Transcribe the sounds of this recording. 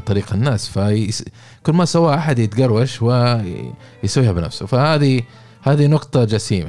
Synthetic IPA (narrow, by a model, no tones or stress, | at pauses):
t̪ˤɑɾiːqanːaːsfas | kʊlːmasawːaːʔaħad̪jɪt̪ɡɑrˤwaʃwɪ | jsawːiːhabɪna̰fsufahaːði | haːðinʊqt̪ˤɑd͡ʒasiːma